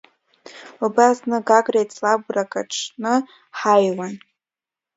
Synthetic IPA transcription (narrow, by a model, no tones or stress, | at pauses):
ubasnɨɡaɡʼrajt͡sʰlaɡʷrakʼa̰ʈ͡ʂʰnɨ | ħajwan